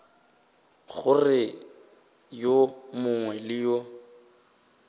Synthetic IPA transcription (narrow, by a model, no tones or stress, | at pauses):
χʊrɪ | jomʊŋwɛlɪjɔ